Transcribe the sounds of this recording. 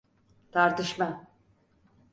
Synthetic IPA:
t̪ʰaɾt̪ɯʃma

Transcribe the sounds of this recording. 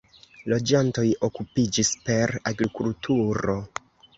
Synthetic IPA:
lo̞d͡ʒanto̞jo̞kupid͡ʒispe̞ɾaɡɾikultʰuɾo̞

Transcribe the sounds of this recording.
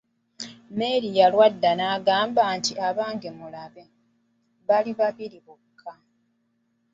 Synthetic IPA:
me̞ɾijalwadːanaːɡaːmbaːntiʔaβaːŋɡemulaβe | βaliβaβiɾiβukʰːa

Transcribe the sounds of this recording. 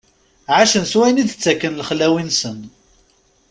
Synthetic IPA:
ʕaʃənswæjənid̪ət͡sːækːənləχlːæwinsən

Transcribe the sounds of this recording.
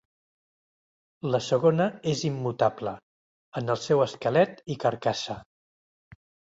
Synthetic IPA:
ləsəɣ̞onəezimːut̪ablə | ənəlˠsɛwəskəlɛt̪ikəɾkasə

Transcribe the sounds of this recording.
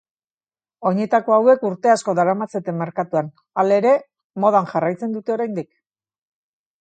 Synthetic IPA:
o̞ɲe̞t̪ako̞awe̞kuɾt̪e̞asko̞ðaɾamat͡se̞t̪e̞mːeɾkat̪uan | ale̞ɾe̞ | mo̞ð̞anʝarajt͡se̞nd̪ut̪e̞o̞ɾajnd̪ik

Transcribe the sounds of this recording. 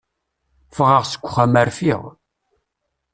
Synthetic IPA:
fʁəʁsə̥kʷːχæmæɾfiʁ

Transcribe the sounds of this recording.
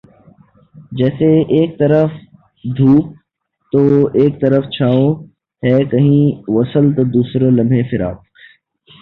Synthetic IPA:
d͡ʒɛːseeːk̚t̪ɐɾəf | d̪ʱuːk̚ | t̪oːeːk̚t̪ɐɾəft͡ʃʰaːõ | ɦɛːkɐɦĩʋɐsəlt̪od̪uːsɾalɐ̃mbʱẽfɪɾa̰ːp

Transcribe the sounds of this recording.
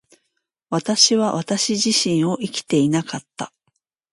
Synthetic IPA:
βat̪aɕiβaβat̪aɕiʑiɕĩɰ̃o̞ʔikʲi̥t̪e̞inakat̪ːa̰

